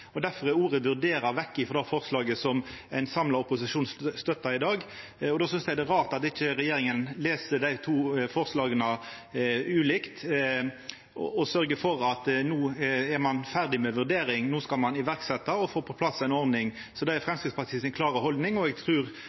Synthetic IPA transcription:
ɔd̪æfɔʁɛɾuːʁəʋʉɾd̪eːɾɑʋɛkːɪfɔʁd̪æfɔʁslɑːɡəsɔmæɪnsɑmlɑʊpʊsɪʂuːnsst̪œt̪ːɑɪd̪ɑːɡ | ɔd̪oːsʏnsj̪æd̪ɛʁɑːʁt̪ɑt̪ɪt͡ʃːəɾɛjeːɾɪŋənleːsəd̪æɪt̪ʰuːfɔɾslɑːɡənə | ʉːlɪkt̪ | ɔ̰ɔsœʁɡəfɔɾɑt̪nuːɛʁmɑnfæʁd̪ɪmɛʋʉʁd̪eːɾɪŋnuːskɑlmɑnɪʋæɾksɛt̪ːɑɔfoːpʰɔpʰlɑsːæɪnɔʁd̪nɪŋ | sɔd̪ɛæfɾʁɛmskɾɪt̪spʰɑʁt̪ʰiːəsɪnkʰlɑːʁəhɔld̪nɪŋɔɛɡt̪ʰɾʉːɾ

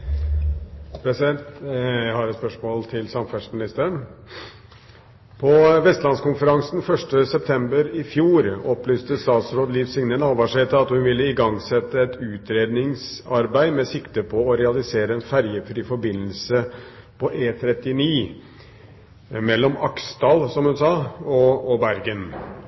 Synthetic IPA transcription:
pʰɾɛsɪd̪ɛnt̪jæɪhɑɾɛt̪spœʂmoːlt̪ʰɪlsɑmfæʂmɪnɪst̪æːɾəɳ | pʰɔʋɛst̪lɑnskʊnfəɾɑŋsnfœʂʈəsɛp̚t̪ʰɛmbəɾɪfjuːɾɔplyːst̪əst̪ɑːt̪sɾoːd̪liːʋsɪŋnənɑːʋɑʂet̪əɑt̪hʉnʋɪlːəɪɡɑŋsɛt̪ːəɛt̪ʉːt̪ʰɾeːd̪nɪŋsɑɾbæɪmɛsɪkt̪əpʰɔɔɾɛɑlɪseːɾəɛnfæɾjəfɾiːfɔɾbɪnːəlsə | pʰɔʔeːt̪ʰɾɛt̪ːɪniː | mɛlːɔmɑksd̪ɑːlsɔmhʉnsɑːɔɔbæɾɡən

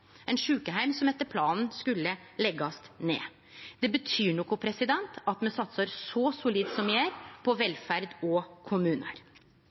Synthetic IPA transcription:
ɛnʂʉːkəɦæɪmsɔmɛt̪ːəɾpʰlɑːnn̩skʉlːəlɛɡːɑst̪nḛː | d̪̥ɛbət̪ʰyːɳɔkɔpʰɾɛsɪd̪ɛnt̪ɑt̪mɛsɑt̪səɾsɔsʊliːd̪sɔmɪæːɾpʰɔʋɛlfæɾd̪ɔkʰʊmʉːnə̰ɾ

